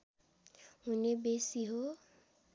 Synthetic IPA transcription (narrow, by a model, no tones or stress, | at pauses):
hunebesiɦo